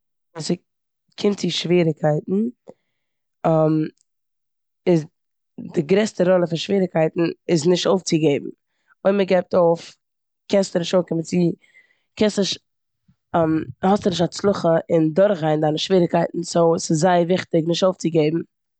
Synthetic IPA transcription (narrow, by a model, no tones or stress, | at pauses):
sɪ | kʰɪntt͡sɪʃviːɾɪkʰaɪtn̩ | am | ɪz | dɪɡɾɛstəɾɔlˠəfanʃviːɾɪkʰaɪtn̩ɪznɪʃtoʊft͡sɪɡeɪb̚m̩ | oɪməɡɛɪp̚toʊf | kɛnstənɪʃtoʊfkɪmənt͡si | kʰɛnstnɪʃ | amhɔstənɪʃtat͡slˠʊχəɪndʊɾχaɪndanɪʃviːɾɪkaɪtn̩soʊsɪzzaɪəvɪχtɪknɪʃtoʊft͡sɪɡeɪbm̩